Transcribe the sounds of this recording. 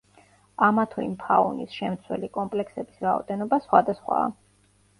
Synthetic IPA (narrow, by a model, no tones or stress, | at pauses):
amat̪ʰuḭmpʰa̰unisʃɛmt̪sʰwɛlikʼɔmpʼlɛksɛbisɾaɔ̰d̪ɛnɔbasχwad̪asχwa̰ː